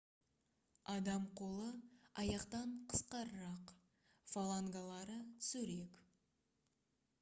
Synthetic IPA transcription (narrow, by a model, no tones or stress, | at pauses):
ɑd̪ɑmqʰo̞lˠəɑjɑqt̪ɑɴqʰə̥sqɑɾəɾɑq | falˠaŋɡalˠɑɾət̪ʰʏ̥sɵɾek